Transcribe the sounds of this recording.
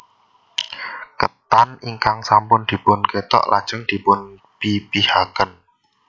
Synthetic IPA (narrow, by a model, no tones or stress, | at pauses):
kət̪aniŋkaŋsampʊnd̪̥i̤pʊnket̪ɔ̰ʔla̰d̥ʒ̥əŋd̪̥i̤pʊn | pipihakən